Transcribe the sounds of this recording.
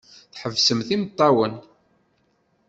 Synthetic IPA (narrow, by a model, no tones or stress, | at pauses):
θħəvsəmθimt̪ˤːɑwən